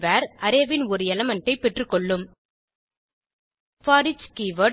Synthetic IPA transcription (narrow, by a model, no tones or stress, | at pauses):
ʋaːɾʔɐɾeʋɪnɔɾɯɛlɐmɐɳʈːɐɪpːɛʈrɯkːɔɭːɯm | faːɾɪt͡ʃkiʋɐ